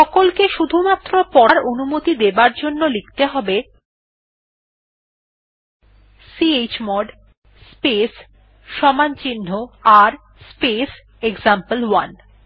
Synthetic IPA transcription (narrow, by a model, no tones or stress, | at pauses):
ʃɔkolkeʃud̪ʱumat̪ːɾopɔɾaɾonumot̪id̪ebaɾd͡ʑonːolikt̪eɦɔbe | siet͡ɕmɔɖ | spes | ʃɔmant͡ɕinːoaɾ | spes | ekzampəlwan